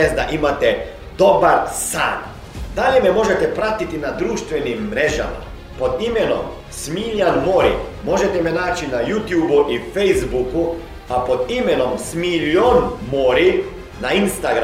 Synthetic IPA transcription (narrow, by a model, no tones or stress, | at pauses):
esd̪aʔimat̪ɛ | d̪obaɾsa̰ːn | d̪aʎememo̞ʒet̪ɛpɾat̪it̪inad̪ɾuːʃt̪ʋenimːɾeʒa̰ma̰ | po̞d̪imeno̰m | smiːʎanmoːɾḭ | mo̞ʒet̪ɛmenaːt͡ʃinajuːt̪juːbuʔifejzbuku | apo̞d̪imeno̞msmiʎonmoɾi | nainst̪aɡɾ